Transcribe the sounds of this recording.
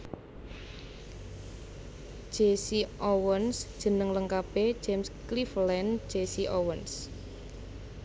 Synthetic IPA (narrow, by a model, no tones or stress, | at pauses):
ʒ̥esiʔowənsd̥ʒ̥ə̤nəŋləŋkape̥d͡ʒ̥emskliflɛnd̥ʒ̥esiʔowəns